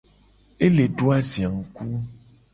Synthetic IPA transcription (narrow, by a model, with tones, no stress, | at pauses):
e˦le˨ɖo˦a˦zi˨a˨ŋ̩˨ku˦